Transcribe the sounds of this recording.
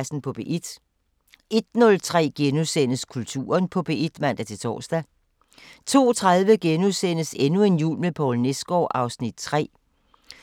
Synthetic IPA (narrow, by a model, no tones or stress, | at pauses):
sn̩pʰɒ̽b̥e̝ʔid̥ | e̝d̥̚nɔ̽lt͡sʰʁɛ̰ːɡ̥enusenəskʰult͡sʰṵːɐnpʰɒ̽b̥e̝ʔid̥mæn̰d̥æt͡sʰe̝t͡sʰɒ̰ːsd̥æ | t͡sʰo̝̰ːt͡sʰʁaðˠʋəɡ̥enusen̰əse̝nue̝njṵːlmepʰɒlnesɡ̥ɒːʔɑ̈ʊsnid̥̚t͡sʰʁɛ̰ː